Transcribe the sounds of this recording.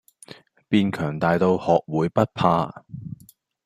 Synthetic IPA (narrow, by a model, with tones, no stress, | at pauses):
piː˧nkʰœː˨˩ŋt̪aː˨jt̪o˧whɔː˨k̚wuː˨˧˥jpɐ˥t̚pʰaː˧